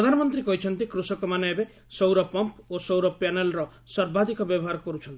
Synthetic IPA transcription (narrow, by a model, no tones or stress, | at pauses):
ɾɔd̪ʱanɔmɔnt̪ɾikɔɦit͡ʃʰɔnt̪ikɾusɔkɔmaneebe | sowɾɔpɔmposowɾɔpjanelɾɔ | sɔɾbad̪ʱikɔbjɔbɔɦaɾɔkɔɾut͡ʃʰɔnt̪i